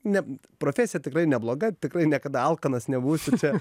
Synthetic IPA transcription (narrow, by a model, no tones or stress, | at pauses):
nʲɛ | pɾoːfʲæsʲɪjɛtʲɪkrɐɪnʲɛblˠoːɡɐt̪ʲɪkrɐɪnʲiɛkɐd̪ɐɐlˠkɐnɐsnʲɛbuːsʲɪt͡ʃʲɛ